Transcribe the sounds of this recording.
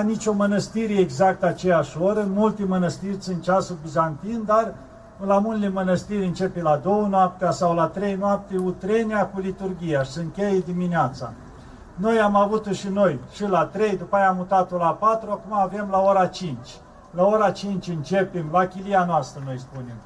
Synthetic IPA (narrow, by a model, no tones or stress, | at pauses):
nit͡ʃʲo̞mənəst̪iɾeːɡzak̚t̪at͡ʃejaʃʲoɾəmult̪emənəst̪irʲsʲɨnt̪t͡ʃasubizant̪ind̪ar | lamunlemənəst̪iɾʲɨnt͡ʃe̞pelad̪o̞wənoap̚t̪easawlat̪ɾejnoap̚t̪eut̪ɾe̞neakulit̪urɡʲijaʃi̥sɨn̚kʲejed̪imineat̪sa̰ | no̞jamavut̪oʃino̞jʃilat̪ɾejd̪upajaːmut̪at̪olapat̪ɾuakumaːve̞mlaoɾat͡ʃint͡ʃʲ | laoɾat͡ʃint͡ʃʲɨnt͡ʃe̞pemlakʲilijanoast̪ɾəno̞jspune̞m